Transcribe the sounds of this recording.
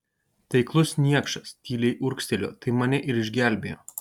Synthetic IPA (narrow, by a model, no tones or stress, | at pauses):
t̪ʲɛɪklˠʊsnʲiɛkʃɐst̪ʲiːlʲɛɪʔʊɾksʲt̪ʲɛlʲo̰ːt̪ɐɪmɐnʲɪʔɪɾɪʒʲɡʲæˑlʲbʲeːjoː